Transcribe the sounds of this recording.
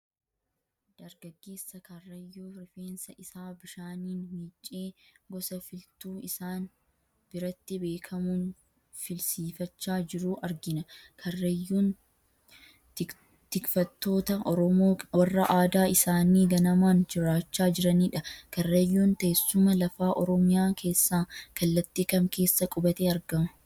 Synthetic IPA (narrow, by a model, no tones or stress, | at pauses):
d̪̥ɐɾɡɐɡːe̞ːsːɐkɐrːɐjːuːɾɪfeːnsɐʔɪsaːbɪʃaːniːnmiːt͡ʃʼːe̞ːɡɔsɐfɪlt̪uːɪsaːn | b̥ɪɾɐt̪ːɪbe̞ːkʰɐmuːn | fɪlsiːfɐt͡ʃːaːd͡ʒɪɾuːʔɐɾɡɪnɐkʰɐrːɐjːuːn | t̪ɪkfɐt̪ːo̞ːt̪ɐɔɾɔmoːwɐrːɐʔaːd̪aːɪsaːniːɡɐnɐmaːnd͡ʒɪɾaːt͡ʃːaːd͡ʒɪɾɐniːᶑɐkɐrːejːuːnt̪esːʊmɐlɐfaːʔɔɾɔmɪjaːkʰe̞ːsːaːkɐlːɐt̪ːiːkɐmke̞ːsːɐkʼʊbɐt̪e̞ːɐɾɡɐmɐ̥